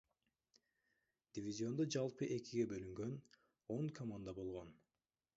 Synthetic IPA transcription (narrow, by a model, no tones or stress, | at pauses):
d̪̥ʲivʲizʲio̞nd̪od͡ʒɑlˠpɯʔe̞kiɡe̞bø̞lyŋɡø̞n | o̞ŋkʰomand̪abo̞lˠʁo̞n